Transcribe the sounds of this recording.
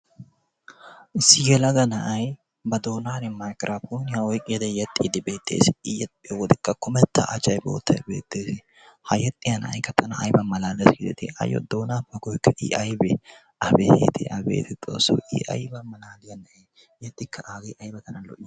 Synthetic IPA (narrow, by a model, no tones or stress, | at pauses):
ʔɪsːɪjɛlɐɡɐnɐʔɐj | bɐd̪o̞ːnaːlɛmajkʼɾʔaponɪjawɔjkʼɪjɐd̪ɛjɐt̪ʼːɪd̪ɪbeːt̪ʰʼːḛːsɪɪjɛt̪ɛwɔd̪ɪkːɐkʊmɛt̪ʰːɐ̰ʔɐt͡ʃːɐjbo̰ːt̪ʰːɐjbḛːt̪ːeːsɪ | hɐjɛt̪ʼːɪjɐnɐɐ̰jkːɐt̪ʰʼːɐnɐɐjbɐmɐlaːlɐsɡɪd̪ɛt̪ɪ̰ɐ̰jɔ̰d̪oːnaːbɐɡɔjkːɐʔḭʔɐjbɛ | ʔɐbet̪ʰɛ̰ʔɐbḛːt̪ɛt̪ʼo̰ːsːɐ̰wʔḭʔɐ̰jbɐmɐlaːlɪjɐnɐe | jɛt̪ʼːɪkːɐʔaɡɐjʔɐjbɐk̪ɐnɐlɔ̰ʔ